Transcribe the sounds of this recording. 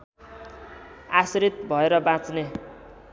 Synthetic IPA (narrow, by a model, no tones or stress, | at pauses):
asɾit̪̚bʱʌeɾʌbãt͡sne